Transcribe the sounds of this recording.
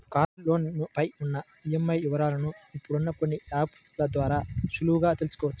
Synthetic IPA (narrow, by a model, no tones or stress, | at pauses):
kaːɾlo̞ːnupɐjunːɐ | ijemːɐjiʋɐɾaːlɐnuipːuɽunːɐko̞nːiaːp | lɐd̪ʋaːɾaːʃuluɡaːt̪e̞lusu̥kɔːʋɐt͡ʃː